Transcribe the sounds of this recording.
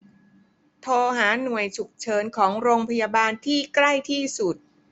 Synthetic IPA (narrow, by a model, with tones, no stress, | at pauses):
t̪ʰoː˧ɦaː˩˦nu˨˩əjt͡ɕʰu˨˩k̚t͡ɕʰɤː˨˩˦nkʰɔː˩˦ŋɾoː˧ŋpʰa˧jaː˧baː˧nt̪ʰiː˥˩kla˥˩jt̪ʰiː˥˩su˨˩t̪̚